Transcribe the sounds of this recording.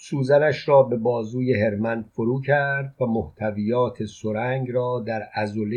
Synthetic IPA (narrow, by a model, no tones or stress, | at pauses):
suːzænæʃɾɒːbe̞bɒːzuːjeɦe̞ɾmænd̪foɾuːcʰæɾd̪væmoht̪ʰævijɒːt̪ʰe̞soɾæŋɡɾɒːd̪æɾæzole